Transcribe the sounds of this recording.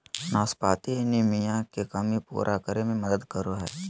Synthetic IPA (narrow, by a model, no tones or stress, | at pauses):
naːspaːt̪ienimijãkekɐmipṵːɾʔakəɾemẽmɐd̪əd̪kəɾoɦɛ̰ː